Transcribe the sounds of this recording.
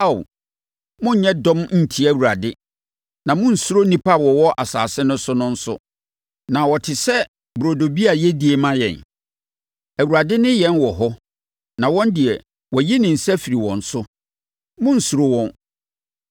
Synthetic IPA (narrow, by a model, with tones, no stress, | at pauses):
a˦˨w | mʊ̃˦ɲ̩˨ɲɛ̃˦dɔ̃˦mn̩˦˨tʰi˨˦æ˨wu˨ɾa̰˨dɪ˦ | nã˨mʊ̃˦n̩˨su˦ɾo˦nĩ˦pʰa˦wɔ˨wɔ˦ʔa˨sa̰ː˨sɪ̃˦nʊ̃˦sʊ˦nʊ̃˦n̩˦sʊ̰˦ | nã˨wɔ˨tʰɪ˨sɛ˦ | bɾo˨do˨bi˦a˨jɛ˦di˨e˨mã˦jɛ̰˨n | æ˨wu˨ɾa˨dɪ˦nɪ̃˦jɛ̃˦nwɔ˨ɦɔ˦ | nã˨wɔ̃˦ndɪ˨ɛ˨ | wɔ˨ji˦nɪ̃˨n̩˨sɛ˦fi˨ɾi˨wɔ̰̃˨n̩˨sʊ˦ | mʊ̃˦n̩˨su˨ɾo˦wɔ̃˨n